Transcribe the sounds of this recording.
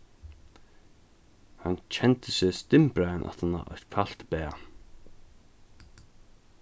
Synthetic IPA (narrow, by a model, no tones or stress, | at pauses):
hant͡ɕʰɛnt̪ɪsɛst̪ɪmpɾaɪnʔa̰t̪hanːa̰ʔɔ̰̥kʰal̥t̪pɛːa